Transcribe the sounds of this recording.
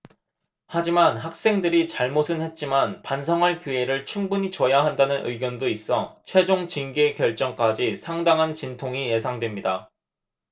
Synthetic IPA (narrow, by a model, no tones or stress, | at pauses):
had͡ʑimanɦak̚s͈e̞ŋdɯɾit͡ɕaɭmosʰɯnhe̞t̚t͡ɕ͈imanpans̬ʰʌŋɦaɭkjue̞ɾɯɭt͡ɕʰuŋbuɲit͡ɕʌjaɦandanɯnɯ̰ɭɡjʌndois͈ʌt͡ɕʰwe̞d͡ʑoŋt͡ɕinɡe̞kjʌɭt͡ɕ͈ʌŋk͈ad͡ʑisʰaŋdaŋɦant͡ɕintʰoŋije̞sʰaŋdwe̞mɲida